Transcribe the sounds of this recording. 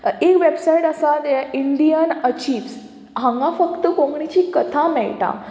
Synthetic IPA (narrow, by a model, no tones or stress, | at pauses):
ekʋebsaiʈəsad̪ɛʔiɳɖijənət͡ɕiːʋs | ɦãŋɡãfəkt̪əkõŋɡɳit͡ɕikət̪ʰamɛɭʈa̰